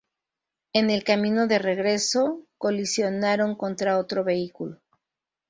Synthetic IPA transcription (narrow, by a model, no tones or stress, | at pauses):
e̞ne̞lkamĩno̞ðe̞re̞ɣɾe̞so̞ko̞lisjo̞naɾo̞ŋko̞nt̪ɾao̞t̪ɾo̞βe̞ikulo